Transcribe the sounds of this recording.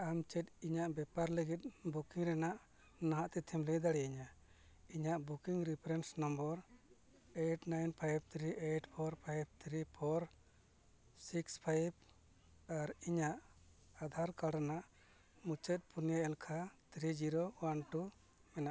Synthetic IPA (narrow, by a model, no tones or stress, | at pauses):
amt͡ʃɛt̪̚iɲaʔbɛpaɾləɡit̪̚ˀbukiŋɾɛnaʔ | naɦaʔt̪ɛt̪ʰɛmlɛd̪aɽiiɲa | iɲaʔbukiŋɾipʰɾɛnsnɔmbɔɾ | eʈnajnpʰajb̚t̪ʰɾiʔeʈpʰɔɾpʰajb̚t̪ʰɾipʰɔɾ | sikspʰajb̚ | aɾiɲaʔ | ad̪ʱaɾkaɾanaʔ | mut͡ʃɛt̪̚punijaɛlkʰat̪ʰɾid͡ʒiɾowanʈu | ɛnaʔ